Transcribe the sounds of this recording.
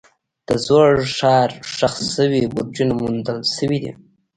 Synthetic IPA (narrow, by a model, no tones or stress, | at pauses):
d̪̥əzoɽʂɑɾʂaxsəwibuɾd͡ʒunamund̪əlsəwid̪ḭ